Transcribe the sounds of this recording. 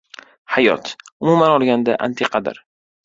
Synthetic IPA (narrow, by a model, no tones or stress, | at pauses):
hajɒ̰t̪ʊmumanɒlˠɡʲand̪aʔa̰nt̪ʰeqʰɑd̪ɪ̰ɾ